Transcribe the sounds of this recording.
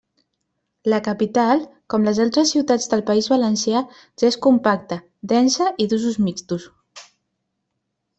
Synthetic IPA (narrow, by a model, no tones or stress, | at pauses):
ləkəpit̪alˠkɔmləzalˠt̪ɾəsːiwt̪ad͡zd̪əlˠpəizβələnsja | ʒ̥aeskumpak̚t̪ə | d̪ɛnsəʔiðuzuzmist̪us